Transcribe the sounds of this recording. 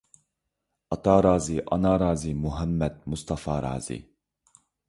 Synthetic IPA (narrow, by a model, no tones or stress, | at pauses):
ɑt̪ɑːɾɑːziʔɑnɑːɾaːzimuɦɛmːɛd̪̚must̪ɑfɑːɾɑ̰ːz̥ḭ